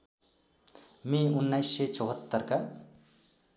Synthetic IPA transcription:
miunːajsːet͡ʃoɦət̪ːəɾka

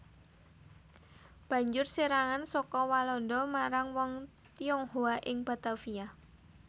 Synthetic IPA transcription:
b̥ä̤ɲd͡ʒʊrseɾaŋansɔkɔwalɔndɔmaɾaŋwɔŋ | t̪iɔŋhoaʔɪŋb̥a̤t̪afia

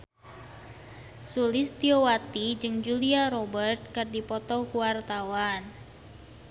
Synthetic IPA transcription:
sulɪst̪iowat̪id͡ʒɨŋd͡ʒuliaɾobərt̪̚kərdipɔt̪ɔkuwart̪awan

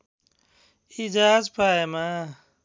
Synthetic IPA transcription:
id͡ʒaːzpaːemaː

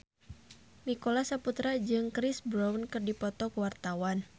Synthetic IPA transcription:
nikolasaput̪ɾad͡ʒɨŋkɾɪsbɾawnkɨrdipɔt̪ɔkəwart̪awan

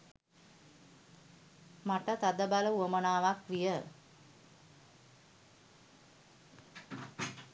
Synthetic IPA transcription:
maʈət̪ad̪əbaləuəmənaːʋakʋijə

